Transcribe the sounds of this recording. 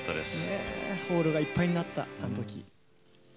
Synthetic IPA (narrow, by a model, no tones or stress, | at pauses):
t̪ːad̪ḛseho̞ːɾɯ̟ɡaipːaijɲ̟inat̪ːa̰anot̪o̞kʲḭ